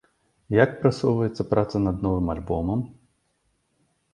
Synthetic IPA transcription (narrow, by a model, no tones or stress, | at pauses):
jakpɾɐsɔʋʊjet̪ʲt͡sʲːɐpɾɑt̪sɐnɐd̪nɔʋɪmɐlʲbɔmɐm